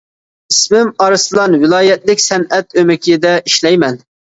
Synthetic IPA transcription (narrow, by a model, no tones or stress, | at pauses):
ismɪmɑɾɨslˠɑnwɪlˠɑːjɛt̪lɪkʲsɛnɛt̪ømɪkʲid̪ɛʔiʃlɛjmɛn